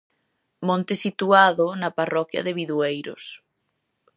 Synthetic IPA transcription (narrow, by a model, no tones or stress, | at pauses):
mõnt̪ɪsit̪uaðʊnɐparɔkjɐ̰ðɪβiðuejɾʊ̰s